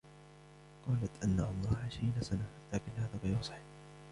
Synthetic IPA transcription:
qɑːlat̪ʔanːaʔɑlˤɾːɑːhʕɪʃɾiːnasanalaːkɪnhaːðaːbɑjʊsˤɑ̥ħ

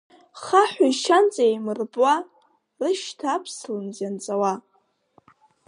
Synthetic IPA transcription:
χaħʷaiʃant͡sʼajmɨrbʼwa | rɨʃtʰaːpʰslɨnzjant͡sʼawa

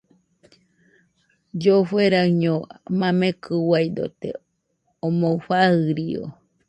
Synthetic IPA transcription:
d͡ʒofweɾaɲomamekʰɨwajd̪o̰t̪ḛ | omoɸahɨɾio̰

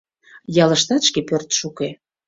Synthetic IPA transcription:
jɑləʃt̪ɑt̪ʃkepørt̪ʃuke

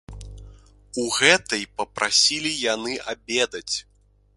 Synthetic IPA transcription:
uɣɛt̪ɐjpɐpɾʔasʲilʲijanɨʔabʲɛd̪ɐt͡sʲ

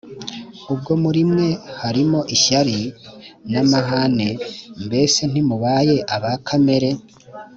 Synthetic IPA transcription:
ub̚ɡo̞muɾimŋe̞haɾimo̞ʔiʃaɾinamaɦanembe̞ːse̞n̥imuβaːje̞ʔaβakʰame̞ɾe̞

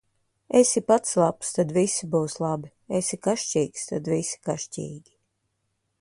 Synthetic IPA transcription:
esipat̪slˠapst̪ad̪visibuːslˠabi | esikaʃcʲiːkst̪ad̪visi̥kaʃcʲḭːɡʲi

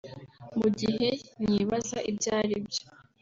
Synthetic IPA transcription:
muɟihe̞ɲiβazaʔibɟaːɾibjo

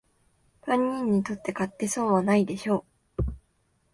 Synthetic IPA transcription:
pãɲ̟ːĩɲ̟ːit̪o̞t̪ːe̞kat̪ːe̞so̞ːβanaid̪e̞ɕo̞ː

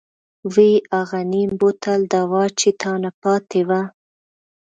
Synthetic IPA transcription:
wiaɣanimbot̪ald̪awɑt͡ʃet̪ʰɑnapɑt̪ewa

